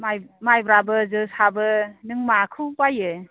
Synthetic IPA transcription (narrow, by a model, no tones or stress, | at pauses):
majmajbɾabɯzɯsabɯnɯŋmakʰɯwbajɯ